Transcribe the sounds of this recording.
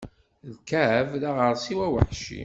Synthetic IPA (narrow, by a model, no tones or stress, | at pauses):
ðkæʕəvðaʁəɾˤsiwæwə̰ħʃḭ